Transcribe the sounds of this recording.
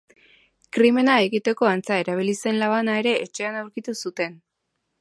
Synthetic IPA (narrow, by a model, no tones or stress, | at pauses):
kɾime̞nae̞ɣit̪e̞ko̞ant͡sae̞ɾaβ̞ilise̞nlaβ̞anae̞ɾe̞ʔːt͡ʃe̞anawɾkit̪usut̪e̞n